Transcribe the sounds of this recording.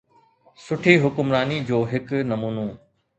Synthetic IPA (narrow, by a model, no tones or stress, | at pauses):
sʊʈʰiɦʊkʊmɾaːnid͡ʑoːɦɪknɐmuːnoː